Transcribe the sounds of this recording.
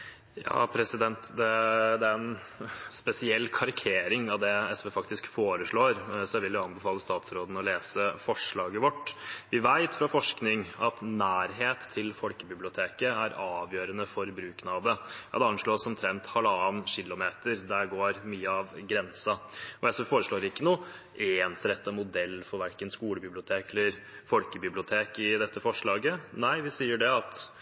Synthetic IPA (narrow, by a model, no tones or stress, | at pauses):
jɑ̰ːpʰɾɛsɪd̪ɛnt̪d̪ɛd̪ɛæɾɛn | spɛsɪɛlːkʰɑɾɪkʰeːɾɪŋɑʋd̪ɛɛsʋeːfɑkt̪ɪskfoːɾəʂɭoːɾsɔʋɪldʊɑnbəfɑːləst̪ɑːt̪sɾoːd̪n̩ɔleːsəfɔʂɭɑːɡəʋɔʈːʋɪʋæɪt̪fɾɑfɔʂknɪŋɑt̪næːɾɦeːt̪ʰːɪlfɔlkəbɪblɪʊt̪ʰeːkəæɾɑːʋjøːɾənəfɔɾbɾʉːknɑːd̪əjɑ̰d̪ɛɑnʂɭoːsɔmt̪ʰɾɛnt̪hɑləɑːnɕɪlːʊmeːt̪əɾd̪æɾɡoːɾmyːəɑʋɡɾɛnsɑɔɛsɔfoːɾəʂɭoːɾɪkːənuː | ʔensɾɛt̪ʰːəmʊd̪ɛlːfɔɾʋæɾkənskuːləbɪblɪʊt̪ʰeːkɛlːəɾ | fɔlkəbɪblɪʊt̪ʰeːkɪd̪ɛt̪ʰːəfɔʂɭɑːɡənæɪʋɪsiːəɖɛɑt̪